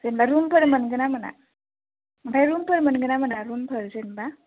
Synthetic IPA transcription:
sənbaɾumpəɾmənɡənaməna̰ | mətʰajɾumpəɾmənɡənamənaɾumpʰəɾsənba

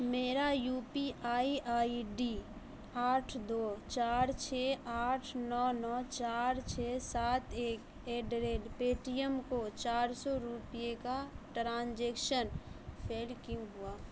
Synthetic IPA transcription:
meːɾajuːpiʔaːiʔaːiɖiː | aːʈʰd̪oːt͡ʃaːɾt͡ʃʰeːaːʈʰnɔːnɔːt͡ʃaːɾt͡ʃʰeːsaːt̪eːk | eːɖɾeːlpeːʈijəmkot͡ʃaːɾsɔɾupijekaʈɾãːnd͡ʒeːkʃənpʰeːlkĩŋɦʊaː

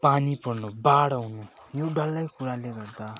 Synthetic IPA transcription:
panipʌrnubaɽʌɦunu | joɖʌlːʌjkuɾaleɡʌrd̪a

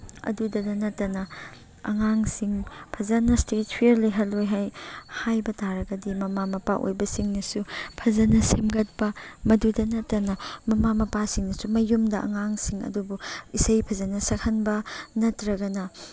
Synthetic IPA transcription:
ɐ̰dudɐdɐnɐtːɐnɐ | ɐ̰ŋaŋsiŋpʰɐzɐnɐstet̚pʰieɾliɦɐlojɦajhajbɐtaɾɐɡɐdimɐmamɐpaʔo̰jbɐsiŋnɐsupʰɐzɐnɐsemɡɐt̚pɐmɐdudɐnɐtːɐnɐmɐmamɐpasiŋnɐsumɐjumdɐʔɐ̰ŋaŋsiŋɐ̰dubuisɐjpʰɐzɐnɐsɐkʰhɐnbɐnɐtɾɐɡɐnɐ

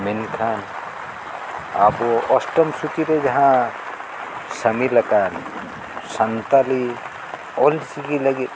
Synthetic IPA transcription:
menkʰan | aboɔsʈəmsut̪iɾed͡ʒɐɦã | səmiləkan | sant̪ali | ɔlsiɡiləɡit̪

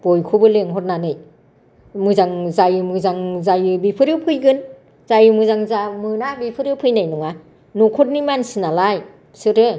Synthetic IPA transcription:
b̥ɔjkʰubɯleŋɦɔt̚nanɯj | mɯzaŋzajɯmɯzaŋzajɯbipʰɯɾɯpʰɯjɡɯn | zajɯmɯzaŋzamɯnabipʰɯɾɯpʰɯjnajnɔŋa | nukʰut̚nimansinalaj | sɯɾɯ

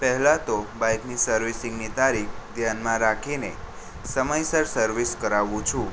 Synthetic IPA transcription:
pəɦlat̪obajknisəɾʋisĩŋɡnit̪aɾikʰd̪ʱjanmãɾakʰine | səməjsəɾsəɾʋiskəɾaʋũt͡ʃʰũ

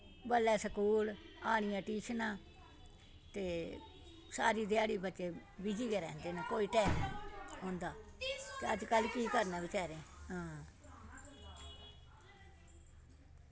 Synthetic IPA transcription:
bəlːɛːsəkuːl | aːɽ̃ɪjãːʈiːt͡ʃʰnãː | t̪eː | saːɾiːd̪ɪjaːɽiːbətːʃeː | bɪd͡ʒiːkeːɾɛ̰̃ːnd̪eːnaːkoːiːʈɛːmiɔ̃ːnd̪aːt̪eːəd͡ʒkəlkiːkəɾnaːbɪt͡ʃɛːɾẽːɦãː

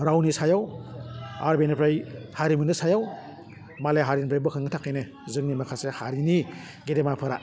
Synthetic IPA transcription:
ɾawnisajaw | a̰ɾbenpʰɾajhaɾimɯnɯsajaw | maleɦaɾinpʰɾajbɯkʰaŋɯtʰakːajnɯ | zɯŋnimakʰasehaɾini | ɡedemapʰɯɾa̰

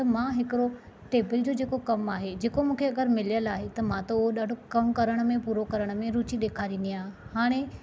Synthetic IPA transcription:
t̪ɐmãːɦɪkɪɾo | ʈeːbɪld͡ʑoːd͡ʑeːkokɐmaːɦed͡ʑeːkomũːkʰeɐɠəɾmɪlijəlaːɦet̪ɐmãt̪oʊɦoɗaːɖʱokɐmkɐɾəɽ̃̆mẽpuːɾokɐɾəɽ̃̆mẽɾuːt͡ɕiɗ̪eːkʰaːɾĩːn̆d̪iãːɦhaːɽ̃e

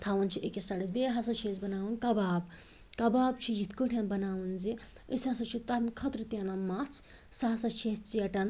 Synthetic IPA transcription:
t̪ʰaːʋɐnt͡ʃʰiʔekisɐɽizbeːɦɐs̬ɐt͡ʃʰezbɐnaːwɐnkɐbaːb | kɐbaːbt͡ʃʰijit̪ʰkuʈʰʲẽnbɐnaːʋɐnzi | əsʲãsɐt͡ʃʰit̪ɐmkʰɐt̪ɾɨt̪ʲaːnamat͡sʰ | sɐɦɐsɐt͡ʃʰet͡siɐʈɐn

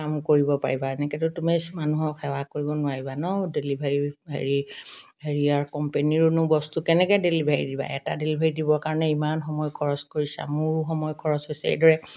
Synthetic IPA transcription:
kamkoɹibɔpa̰ɹibaɛnɛkɛtʊtumemanuɦɔkʰɛwakoɹibɔnʊaɦibanɔdelibʱeɹiḛɹiheɹiaɹkɔmpeniɹʊnʊbɔstukɛnɛkɛdelibʱeɹidiba̰ɛtadelibʱeɹidibɔkaɹɔnɛimanxɔmɔjkʰɔɹɔskoɹisa̰mʊɹuxɔmɔjkʰɔɹɔsojsḛjdɔɹɛ

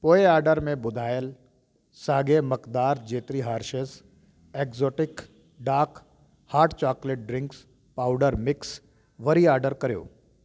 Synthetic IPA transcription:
poːeaːɾɖəɾmẽbʊd̪ʱaːjəl | saːɡemɐkd̪aːɾd͡ʒeːt̪ɾiɦaːɾʃəs | eːkzoːʈɪk | ɖaːk | haːɾʈt͡ʃaːkleʈ̚ɖɾɪ̃ŋks | paːʊɖəɾmɪks | ʋɐɾiaːɾɖəɾkɐɾijo̰ː

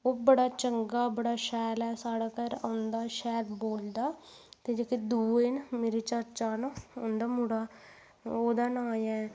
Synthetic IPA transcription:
oːbəɽaːt͡ʃəŋɡaːbəɽaːʃɛːlɛːsaːɽaːkəɾa̰ːʊnd̪aːʃɛːɾboːld̪aː | t̪eːd͡ʒeːked̪uːenmeːɾeːt͡ʃəɾt͡ʃaːnoːnd̪aːmʊɽaː | oːd̪aːnaːɛː

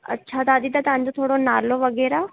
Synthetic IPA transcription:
ə̰tːʃʰaːt̪aːd̪id̪aːt̪ãːɲd͡ʒõt̪ʰoːɽoːnaːloːʋəɡɛːɾaː

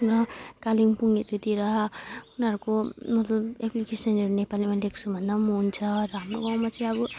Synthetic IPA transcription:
ɾʌkaliŋpuŋɡet̪ut̪iɾʌunɦʌɾukomʌt̪lʌbeplikesʌneɾunepalimaleksʰubʱʌnd̪amuɦunt͡sʰʌɾʌɦamroɡawmat͡sʌj̃ʌbu

